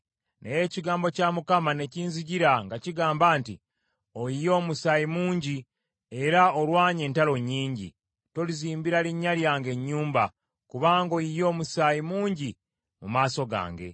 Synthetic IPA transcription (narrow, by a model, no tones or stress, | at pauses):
nḛje̞ːciɡaːmbo̞camukamane̞ciːnziɟiɾaŋɡaciɡaːmbaːntḭ | o̞ijo̞ːmusaːjimuːɲɟi | e̞ɾaolwaːɲe̞ːntalo̞ɲːiːɲɟḭ | to̞liziːmbiɾaliɲːaljaːŋɡe̞ɲːuːmba | kuβaːŋɡo̞ijo̞ːmusaːjimuːɲɟi | mumaːso̞ɡa̰ːŋɡe̞̰